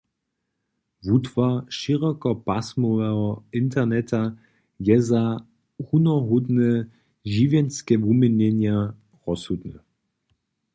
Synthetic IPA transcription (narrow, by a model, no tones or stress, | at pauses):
vutvaʃiʁɔkɔpasmɔvɛɦɔɪntɛʁnɛta | jɛza | hunɔɦud̪nɛ | ʒivjɛnskɛvumɛnɛnja | ʁɔshud̪nɛ